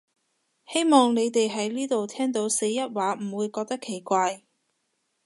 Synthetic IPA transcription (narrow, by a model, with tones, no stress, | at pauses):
he˥jmɔː˨ŋne˨˧jt̪e˨jɦɐ˨˥jliː˥t̪o˨wt̪ʰɛː˥ŋt̪o˨˧˥wse˨˥jːɐ˥t̚waː˨˥m̩˨˩wuː˨˧jkɔː˧k̚t̪ɐ˥kʰːe˨˩jkʷaː˧j